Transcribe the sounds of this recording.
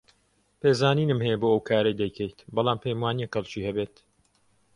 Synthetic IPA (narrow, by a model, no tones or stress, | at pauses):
peːzaːniːnɨmhɛjɛboːɐwkʰaːɾɐjd̪ɐjkʰɛjt̪bɐlˠaːmpʰejmwaːnijɛkɐlˠt͡ʃiːhɐbeːt̪